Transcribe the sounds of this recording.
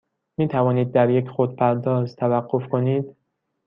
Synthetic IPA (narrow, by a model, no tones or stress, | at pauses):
miːt̪ʰævɒːniːd̪̚ːæɾjecʰxod̪̚pʰæɾd̪ɒːzt̪ʰævæɢːofkʰoniːd̪̥